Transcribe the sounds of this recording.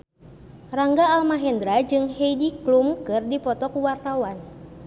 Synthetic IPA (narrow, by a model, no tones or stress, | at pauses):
raŋɡaːlmaɦɛnd̪ɾad͡ʒɨŋhɛjdiklumkɨrdipɔt̪ɔkuwart̪awan